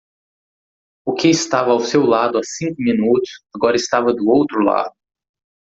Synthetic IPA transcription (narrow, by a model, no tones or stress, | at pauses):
ʊkɪːst̪avɐawsewlad̪ʊasĩŋkʊmĩnut̪ʊsaɡɔɾɐɪst̪avɐd̪ʊowt̪ɾʊla̰d̪ʊ